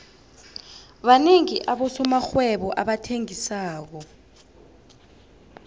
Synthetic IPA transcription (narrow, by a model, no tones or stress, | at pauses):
ɓaneŋiʔaɓɔsɔmaxwɛɓɔʔaɓatʰeŋisaːk̬ɔ